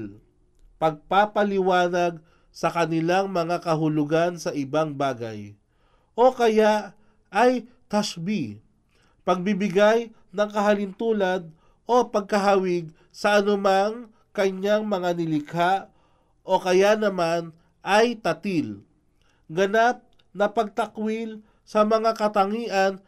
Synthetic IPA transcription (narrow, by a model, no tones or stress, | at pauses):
l | pɐɡ̚papɐlɪwaːnaɡ̚ | sɐkɐnɪlaŋmɐŋakɐɦʊlʊɡansɐʔɪbaŋbaːɡa̰j | ʔo̞kɐjaʔ | ɐj | t̪asbi | pɐɡ̚bibɪɡaj | nɐŋkɐɦɐlɪnt̪uːlan | ʔo̞pɐɡ̚kɐɦawɪɡ̚ | sɐʔɐnʊmaŋ | kɐɲaŋmɐŋanɪlɪkʰaʔ | ʔo̞kɐjanɐman | ʔɐjt̪ɐt̪il | ɡɐnap̚ | nɐpɐɡ̚t̪ɐkwil | sɐmɐŋakɐt̪ɐŋiːʔɐn